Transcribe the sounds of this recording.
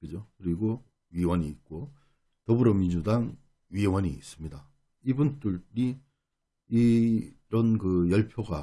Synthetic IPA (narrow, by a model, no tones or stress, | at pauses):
kɯd͡ʑokɯɾiɡo | ɥiwʌɲiːt̚k͈o | tʌbɯɾʌmind͡ʑudaŋ | ɥiwʌɲiːs͈ɯmɲida | ibunt͈uɾi | iɾʌnkɯjʌɭpʰjoɡa